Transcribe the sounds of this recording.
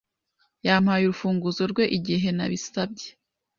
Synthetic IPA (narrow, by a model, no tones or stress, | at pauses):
jaːm̥hajuɾufuːŋɡuzo̞ɾɡwe̞ʔiɟiɦe̞na̰βisab̚ɟe̥